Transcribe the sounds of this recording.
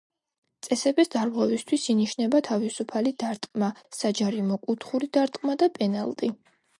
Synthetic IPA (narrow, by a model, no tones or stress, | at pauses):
t̪sʼɛsɛbɛsd̪aɾʁɛvist̪ʰwisiniʃnɛbat̪ʰavisupʰalid̪̥aɾt̪ʼqʼmasad͡ʒaɾimɔkʼut̪ʰχuɾid̪aɾt̪ʼqʼmad̪apʼɛnalˠt̪ʼi